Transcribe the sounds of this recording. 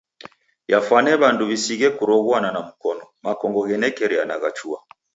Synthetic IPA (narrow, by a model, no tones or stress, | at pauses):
jafwanɛβanduβisiɣɛkuɾɔɣwananamukɔnɔmakɔŋɡɔɣɛnɛkɛɾɛanaɣat͡ʃua